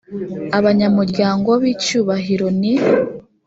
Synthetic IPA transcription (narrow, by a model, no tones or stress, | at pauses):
aβaɲamuɾɟaːŋɡoβiːcuːβaɦiɾo̞ni